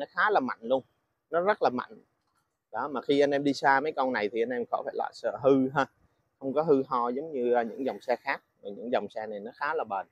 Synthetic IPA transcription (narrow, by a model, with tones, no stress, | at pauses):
nɔ˨˦xaː˨˦laː˨˩ma̰˧˨jŋ̟lu˧əŋ | nɔ˨˦zə˦˥t̚laː˨˩ma̰˧˨jŋ̟ | ɗɔ˨˦maː˨˩xi˧ʔa˧nʔɛ˧mɗi˧saː˧mə˨˦jkɔ˧wna˨˩jt̪ʰi˨˩ʔa˧nʔɛ˧mxɔ̰˧˦faː˧˩jla̰ː˧˨jsə̰ː˧˨˩ɦɨ˧ɦaː˧ | xə˧wŋ͡mkɔ˨˦ɦɨ˧ɦɔ˧zə˨˦wŋ͡mɲɨ˧aː˨˧ɲɨ̰˧˥ŋzɔ˨˩wŋ͡msɛ˧xaː˦˥k̚maː˨˩ɲɨ̰˧˥ŋzɔ˨˩wŋ͡msɛ˧na˨˩jnɔ˨˦xaː˨˦laː˨˩ɓəː˨˩n